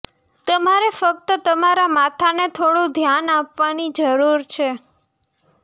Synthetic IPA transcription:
t̪əmaɾefək̚t̪ət̪əmaɾamat̪ʰanet̪ʰoɽũd̪ʱjanapʋanid͡ʒəɾuɾt͡ʃʰe

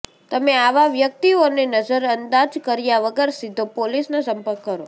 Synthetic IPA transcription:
t̪əmeaʋaʋjək̚t̪ionenəd͡ʒəɾənd̪ad͡ʒkəɾjaʋəɡəɾsid̪ʱːopolisnasə̃mpəɾkːəɾo

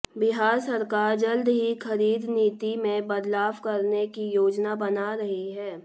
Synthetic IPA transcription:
bɪɦaːɾsɐɾkaːɾd͡ʒɐld̪ɦixɐɾiːd̪niːt̪imẽbɐd̪laːʋkɐɾnekijoːd͡ʒnabɐnaɾɐɦiɦɛː

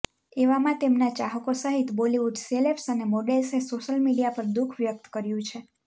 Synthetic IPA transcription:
eʋamãt̪emnat͡ʃaɦəkosəɦit̪boliʋuɖselepsənemoɖelsesoʃəlmiɖijapəɾd̪ukʰʋjək̚t̪kəɾjũt͡ʃʰe

